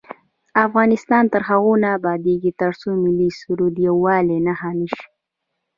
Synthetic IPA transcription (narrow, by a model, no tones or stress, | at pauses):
afɣɑnɪst̪ɑnt̪əɾɦaɣonaːbɑd̪eɡit̪əɽsomɪlisuɾud̪jawɑːlenahaniʃ